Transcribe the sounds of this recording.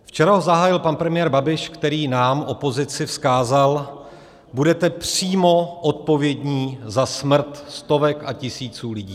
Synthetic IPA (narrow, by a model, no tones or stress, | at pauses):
ft͡ʃɛɾaɦozaɦaːjɪlpanpɾɛmɪjɛɾbabɪʃkt̪ɛɾiːnaːmʔo̞po̞zɪt͡sɪfskaːzal | budɛt̪ɛpr̥iːmo̞ʔot̪̚po̞vjɛdɲiːzasmr̩t̪st̪o̞vɛkacɪsiːt͡suːlɪɟiː